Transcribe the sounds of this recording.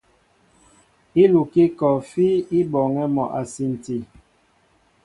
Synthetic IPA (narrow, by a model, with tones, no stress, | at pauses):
i˦lu˨ki˦kɔ˨fi˦i˦bɔ˨ŋɛ˦mɔ˨ʔa˨si˨n˨ti˨